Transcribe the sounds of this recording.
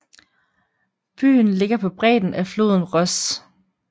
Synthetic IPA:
b̥y̰ːn̩le̝ɡ̥ɐpʰɒ̽b̥ʁɛ̰ːd̥n̩æflo̝̰ːðˠn̩ʁɒs

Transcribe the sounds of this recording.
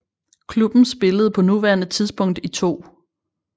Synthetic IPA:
kʰlub̥n̩sb̥e̝ləð̩ˠpʰɒ̽nuʋæɐnət͡sʰiðˠsb̥ɔ̽ŋ̰d̥it͡sʰo̝̰ː

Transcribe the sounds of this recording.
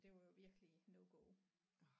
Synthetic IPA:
d̥e̝ʋɑjo̝ʋiɐɡ̥əlinoɡ̥ɔʊ

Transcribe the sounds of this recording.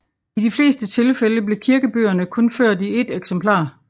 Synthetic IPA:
id̥ifle̝̰ːsd̥ət͡sʰe̝lfeləb̥le̝kʰiɐɡ̥əb̥ø̰ːɐnəkʰɔ̽nføɐ̰d̥ie̝d̥eɡ̥sempʰlɑ̰̈ː

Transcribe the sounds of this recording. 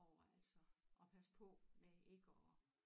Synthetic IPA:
ɒʊɐælsɒʔɒ̽pʰæspʰɒ̽mee̝ɡ̥əɒ

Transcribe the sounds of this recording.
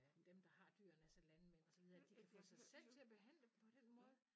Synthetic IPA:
d̥emd̥ɑ̈hɑ̈d̥yːɐnæsɐlænəmen̰ɒsɒʋið̞ˠɐd̥ikʰæfɔ̰sɑ̈ɪsel̰t͡sʰe̝æɐb̥e̝ɦæn̰ləpʰɒ̽d̥enmɔ̽ːð̩ˠ

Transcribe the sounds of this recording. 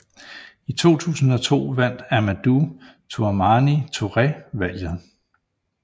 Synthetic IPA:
it͡sʰo̝̰ːt͡sʰṵːsn̩ɒ̽t͡sʰo̝̰ːʋæn̰d̥æmæd̥u | t͡sʰuɐmɑnit͡sʰo̝ʁɛʋæl̰jð̩ˠ

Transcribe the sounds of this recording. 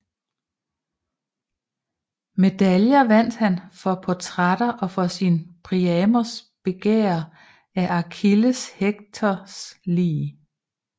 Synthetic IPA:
me̝d̥æljɐʋæn̰d̥hænfɒ̽pʰɒt͡sʰʁad̥ɐʔɒ̽fɒ̽sinpʰʁiɛːmɐsb̥e̝ɡ̥ḛːɐ | æʔɑ̈kʰiləsheɡ̥̚t͡sʰɒsliː

